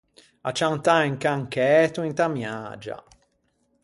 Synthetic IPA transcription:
a̰t͡ʃːawnt̪aiŋkaŋkɛːt̪uint̪amja̰d͡ʒa̰

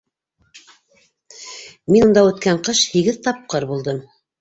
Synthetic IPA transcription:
minŭnd̪ɑʉ̆t̪kæɴqɤʃhiɡɘðt̪ɑp̚qɤɾbulˠd̪ɤm

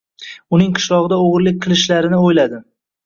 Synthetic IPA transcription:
ʊnɪŋqʰɨ̥ʃlˠɒʁɨd̪aoʁɾlɪk̚ʲqʰɨlˠɪʃlaɾɪnɪojlad̪ɪ

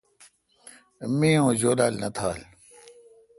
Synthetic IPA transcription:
mĩːõːd͡ʑoːlaːlnɐt̪ʰaːl

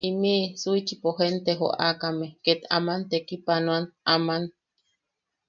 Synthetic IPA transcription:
imiʔsuit͡ʃipoɦent̪eɦo̰ʔa̰kameket̪a̰mant̪ekipanwanaman

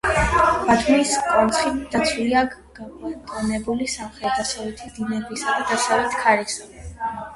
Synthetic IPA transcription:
b̥at̪ʰumiskʼɔnt̪sχit̪d̪̥at̪sʰwlia | t̪ʼɔnɛbulisamχɾɛt̪̚d̪asalɛt̪ʰid̪inɛbisad̪ad̪asavɛt̪kʰaɾisa

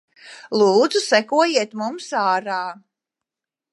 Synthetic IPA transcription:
lˠuːd̪zusɛkuɔjiɛt̪mumsaːɾaː

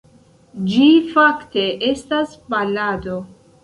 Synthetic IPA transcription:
d͡ʒifakte̞ʔe̞staspalado̞

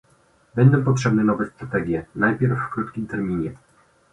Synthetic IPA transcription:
bɛɲd̪ɛ̃pɔtʂɛbnɛnɔvɛst̪ɾat̪ɛɡʲjɛnajpʲjɛɾfːkɾut̪kʲimt̪ɛɾmʲiɲɛ

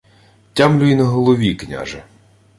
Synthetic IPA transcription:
tʲamlʲʊjinɐɦɔlˠɔʋʲiknʲa̰ʒɐ

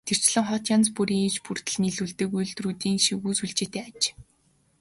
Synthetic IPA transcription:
t̪ʰer̥t͡ɕɮə̆ŋχɔt̪janspuɾiːŋit͡ɕpur̥t̪ə̆ɮniɮuɮt̪ĕːkujɮt̪ruːt̪iːŋʃiɣuːsuɮt͡ɕeːt̪eːat͡ɕ

